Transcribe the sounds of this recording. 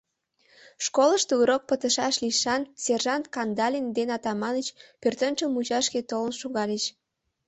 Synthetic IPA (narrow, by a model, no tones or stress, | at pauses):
ʃkoləʃt̪uuɾok̚pət̪əʃɑʃliʃɑnserʒɑnt̪kɑnd̪ɑlʲind̪enɑt̪ɑmɑnət͡ɕpørt̪ənt͡ɕəlmut͡ɕɑʃket̪olə̆nʃuɣɑlet͡ɕ